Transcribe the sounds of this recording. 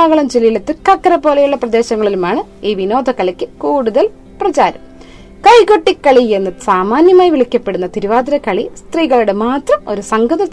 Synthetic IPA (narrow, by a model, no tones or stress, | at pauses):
aːɣɐɭɐmd͡ʑelijilet̪ːɨkːɐkːɐɾɐpːo̞ːlɐjuɭːɐprɐd̪e̞ːɕɐŋːɐɭilumaːɳɨiːʋino̞ːd̪ʱɐkːɐlɐkʲːɨkuːɽuðɐl | prɐt͡ɕaːɾɐm | kɐjkoʈːikːɐɭie̞nːɐðsaːmaːnjɐmaːjiʋiɭikʲːɐpːe̞ɽunːɐt̪iɾuʋaːd̪ɐɾɐkːɐɭist̪riːɣɐɭuɽemaːt̪rɐmo̞ɾusɐŋɡɐðɐ